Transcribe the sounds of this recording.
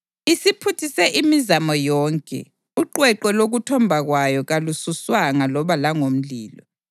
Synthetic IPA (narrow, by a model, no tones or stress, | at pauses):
isipʰutʰisɛʔimizamɔjɔːŋkʼɛ̰ | uǃwɛǃɛloɣutʰɔmbʱaɣwajɔɣalususwaŋalɔβalaŋom̩liːlɔ̰